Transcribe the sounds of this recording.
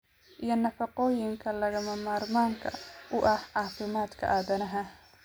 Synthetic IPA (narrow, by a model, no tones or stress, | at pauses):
ʔijɞnɐfɐqɔːjɪŋkʰɐlɐɣɐmɐmaːrmaːŋkʰɐ̰ʔʊʔɐhʕɑːfɪmaːd̪kʰɐ̰ʔaːðɐnɐɦɐ